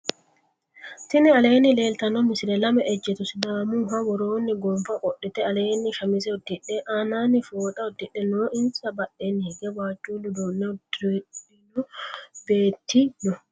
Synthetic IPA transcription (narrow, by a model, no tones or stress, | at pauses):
tinɛalenilɛlt̪anɔmisiɾɛlamɛʔɛd͡ʒːɛt̪ɔsidamuɦawɔɾoːnɛɡɔmfaʔɔɗːɛt̪ɛaleniʃamis̬ɛɔdɛɗɛʔananifoːɗaɔd̪ɛɗːɛnɔʔinsabaɗːɛnihɛɡɛbaːt͡ʃːuludɔnɛdɾedijɔbeːtʰːinɔ